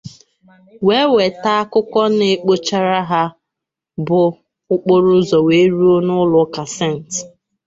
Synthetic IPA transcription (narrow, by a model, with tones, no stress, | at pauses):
we˦we˨ta˦a˦kʊ˦kɔ˦ne˨˦k͡po˦t͡ʃa˦ɾa˦ɦa˦ | bʊ˨ | ʊ˦k͡po˦ɾʊ˦zɔ˨we˨˦ɾu˦o˦nʊ˦lʊ˨˦ka˨se˦˨n̩˨t